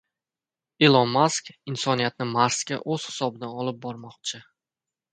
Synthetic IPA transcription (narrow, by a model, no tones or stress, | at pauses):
elˠɒnmaskʲɪnsɒnijat̪̚nɪmaɾskʲa̰ʔoz̥hɪ̥sɒbd̪aɒlˠɪp̚bɒɾmɒq̚t͡ʃʰɪ